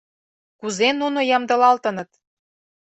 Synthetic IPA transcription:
kuzenunojɑmd̪ɤ̆lɑlt̪ə̆nɤ̆t̪

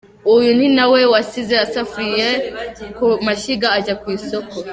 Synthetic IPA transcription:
ujun̥inawe̞wasizeasafijekumaʃiɡaːɟakwiːsoko

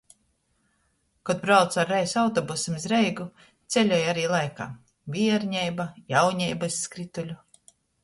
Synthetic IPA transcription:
kɔd̪̚bɾawt̪saɾːɛjsawt̪ɔbusimzɾɛjɡu | t̪sʲelʲɔːjaɾiːlˠajka̰ː | vʲiɛɾɲɛjbajawɲɛjbasːkɾit̪ulʲu

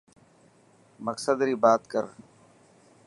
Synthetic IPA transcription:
məksəd̪ɾiːbaːt̪kəɾ

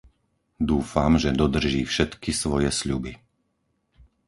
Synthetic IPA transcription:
d̪uːfamʒɛd̪ɔd̪r̩ʒiːfʃɛt̪kisʋɔjɛsʎubi

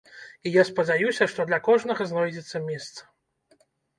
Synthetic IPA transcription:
ijaspɐd͡zʲajusʲɐʂt̪ɔd̪lʲɐkɔʐnɐɣɐznɔjd͡zʲɛt̪sːɐmʲɛst̪sɐ̥

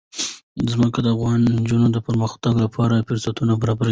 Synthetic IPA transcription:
zməkad̪əafɣɑnd͡ʒunod̪əpəɾməxt̪aɡlapʰɑɾafɪɾsat̪unabaɾɑbaɾ

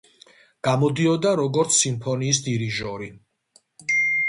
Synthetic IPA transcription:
ɡ̥amɔd̪iɔd̪aɾɔɡɔɾt̪sʰːimpʰɔniːs̬d̪iɾiʒɔɾi

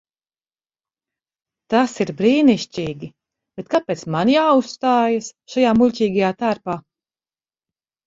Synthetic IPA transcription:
t̪asiɾbɾiːniʃt͡ʃʲiːɡʲi | b̥et̪̚kapʲːeːt̪smanjaːust̪aːjasʃajaːmulʲcʲiːɡajaːt̪aːɾpaː

